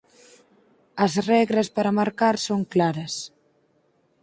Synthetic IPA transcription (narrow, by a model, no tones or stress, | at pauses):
ɐzrɛɣɾɐspaɾamaɾkaɾsoŋklaɾɐs